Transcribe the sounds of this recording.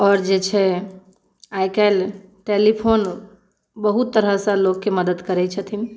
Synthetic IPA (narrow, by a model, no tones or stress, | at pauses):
ɔːɾd͡ʒet͡ʃʰɛ | ajkalʈelipʰon | bəɦut̪ːəɾɦəsə̃lokːeməd̪əd̪kəɾɛt͡ʃʰət̪ʰin